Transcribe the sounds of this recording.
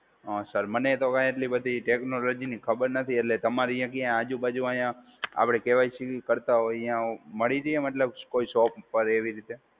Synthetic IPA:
əsəɾmənet̪okãjeʈ̬libəd̪ʱiʈeknolod͡ʒinikʰəbəɾnət̪ʰieʈlet̪əmaɾijãk̬ejãad͡ʒũbad͡ʒũajã | a̰pɽ̃ekeʋajt͡ʃʰekəɾt̪aɦoijãməɭiɾəeməʈ̬ləbkoisoppəɾeʋiɾit̪e

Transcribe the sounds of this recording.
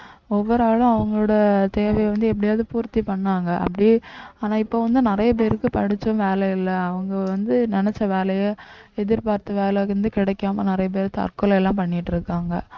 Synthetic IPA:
ɔʋːɔɾaːɭʊ̃ɐʋɐŋɡɐɭoːɽɐt̪eːʋɐjʋɐnd̪ɯɛp̬ːɐɽɪjaːðɯpuːɾt̪ːipɐɳːaːŋɡɐʔɐ̰pːɐɽiaːnaːɪpːoːʋɐnd̪ɯnɪɾɐjɐp̬eːɾɯkːɯpɐɽɪt͡ʃːɯmʋeːlɐɪlːɐɐʋɐŋɡɐʋɐnd̪ɯnɛnɛt͡ʃːɐʋeːlɐjɐ | ɛðɪɾpaːɾt̪ːɯʋeːlɐɾɯnd̪ɯkɪɽɛkːaːmɐnɪɾɐjɐp̬eːɾɯt̪ɐ̰ɾkɯlɛlːãːpɐɳːɪʈːɪɾɯkːaːŋɡɐ

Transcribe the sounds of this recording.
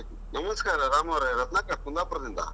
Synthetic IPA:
nɐmɐskaːɾɐɾaːmɐʋɐɾeɾɐt̪naːkaːt̪̚mund̪aːpuɾɐd̪ind̪a̰ː

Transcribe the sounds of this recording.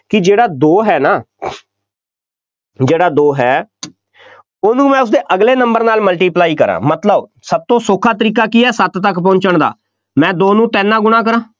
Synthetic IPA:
kɪd͡ʒeːɽaːd̪oːɦɛːnaː | d͡ʒeːɽaːd̪oːɦɛː | oːnũːmɛ̃ːʊs̬d̪eːʔəɡleːnəmbəɾnaːlməlʈiːplaːiːkəɾã̰ːmət̪ləb | səb̚t̪õːsʊkʰːaːt̪̬əɾiːk̬aːkiːɦɛːsət̪t̪əkpɔ̃ːɲt͡ʃəɳd̪a̰ː | mɛ̃ːd̪oːnũːt̪ɛːnːãːɡʊɽ̃aːk̬əɾãː

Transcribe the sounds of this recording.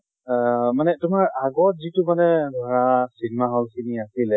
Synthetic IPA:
manɛtʊmaɹaɡɔt̚zitʊmanɛɡʱɔɹasinɛmaɦɔlkʰiniasilɛ

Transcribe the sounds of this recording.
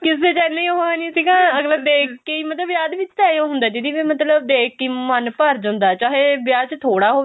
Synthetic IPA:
kɪs̬eːt͡ʃɛnːãɦoːeːnĩːsiːɡãːəɡləbd̪eːkːeiːmət̪ləbjaːd̪ʋɪt͡ʃt̪ãːõːɦʊ̃nd̪aːd͡ʒɪd̪iːʋeːmət̪ləb̚d̪eːkːiːmənpəɾd͡ʒãːnd̪aːt͡ʃaːɦeːbjaːt͡ʃt̪ʰoːɽaːɦoː

